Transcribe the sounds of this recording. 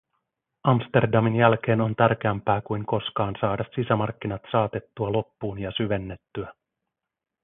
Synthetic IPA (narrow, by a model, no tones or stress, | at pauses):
ɑmst̪e̞rdɑminjælk̟e̞ːno̞nt̪æɾk̟eæmpæːkujŋko̞skɑːnsɑːdɑsːisæmɑrkːinɑt̪sɑːt̪e̞t̪ːuɑlo̞pːuːnjɑsyʋe̞nːe̞t̪ːyæ